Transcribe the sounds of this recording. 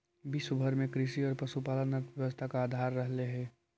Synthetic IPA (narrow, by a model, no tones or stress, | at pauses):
bisʊbʱəɾmẽkɾɪʃiɔːɾpɐʃupaːlanət̪ʋjɛʋəst̪ʰakaːd̪ʱaːɾːəɦleɦɛ̃ː